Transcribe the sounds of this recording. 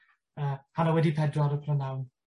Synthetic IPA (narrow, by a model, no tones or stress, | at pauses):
əːhanawɛdipʰɛdrɔɾəpʰrɔnawn